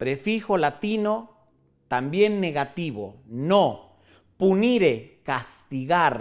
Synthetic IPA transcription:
pɾefixo̞lat̪ino | t̪ambje̞nːeɣat̪iβo̰no | puniɾekast̪iɣaɾ

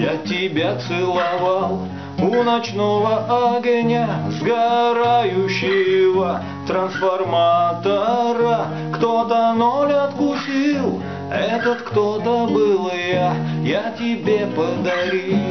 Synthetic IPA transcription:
jatʲɪbʲat̪sɨlˠɐvalˠ | ʊnɐt͡ɕnovəʔɐɡənʲɐzɡɐɾajʊɕːɪvə | t̪ɾənsfɐrmat̪əɾə | kt̪ot̪ənolʲɐt̪kʊsʲilˠ | ɛt̪ət̪kt̪ot̪əbɨlˠjəjatʲɪbʲepəd̪ɐɾʲi

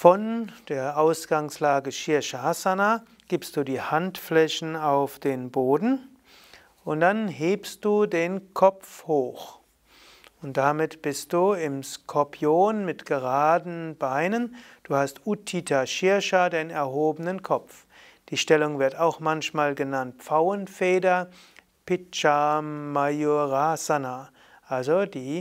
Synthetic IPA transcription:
fɔnd̥eːɐʔaʊsɡ̥aŋslaːɡəʃɪɐʃahasana | ɡ̥iːpstd̥uːdiːhantflɛçn̩aʊfd̥eːnboːdn̩ | ʔʊntd̥anɦeːpst̚d̥uːdeːnkʰɔp͡fhoːx | ʊnt̚d̥amɪtb̥ɪst̚d̥uːɪmskʰɔɐpʰjoːnmɪtɡ̥əʁaːdn̩b̥aɪnənd̥uːhastʔutʰitʰaʃɪɐʃadeːnɛɐɦoːbənənkʰɔpp͡f | d̥iːʃtɛlʊŋvɪɐtaʊxmançmaːlɡənant̚p͡faʊənfeːdɐ | pɪt͡ʃamajoʁasana | ʔalzodiː

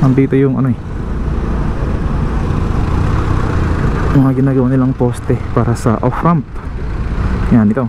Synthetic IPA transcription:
ɐnd̪iːt̪ojʊŋɐ̰noɛ | mɐŋaɡɪnaːɡɐwanɪlaŋpoːst̪ɛpaːɾɐsɐ̰ʔofɾamp̚ | anɪt̪o

